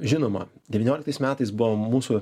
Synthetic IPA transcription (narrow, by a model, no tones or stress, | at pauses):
ʒʲɪnoːmɐ̰d̪ʲɛʋʲɪnoːlʲɪkt̪ɐɪsmʲæːt̪ɐɪsbʊʋoːmuːsʊ